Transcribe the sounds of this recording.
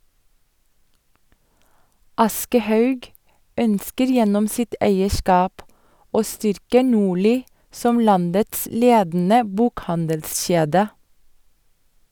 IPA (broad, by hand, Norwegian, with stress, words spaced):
ˈɑskəˌhɑʉɡ ˈœnskəɾ ˈjɛnɔm ˈsɪt ˈæɪəˌʃkɑːp ˈoː ˈstʏɾkə ˈnuːɭiː ˈsɔm ˈlɑndəts ˈleːdn̩ə ˈbuːkˌhɑndəlˌʃeːdə